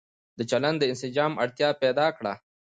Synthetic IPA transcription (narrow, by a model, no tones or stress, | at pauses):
d̪ət͡ʃaland̪əɪnsɪd͡ʒɑːma̰ɽt̪jɑpɛd̪ɑkɽa̰